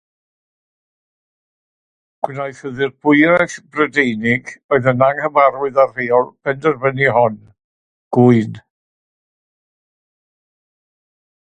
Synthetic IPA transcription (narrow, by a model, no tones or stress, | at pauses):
ɡ̥wnajθəðɪrbʊɨɾaɬbrədejnɪɡɔɨðənaŋhəmaɾwɨðarreːɔlˠpʰɛndərvəniɦɔn | ɡ̥ʊɨn